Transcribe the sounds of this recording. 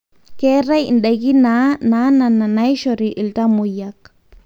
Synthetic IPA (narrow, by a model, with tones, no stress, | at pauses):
ke˦re˦jnɗe˧jki˦na˦na˦na˨na˨na˦jʃoɾi˨ʔi˨lt̪a˦mu˨jak̚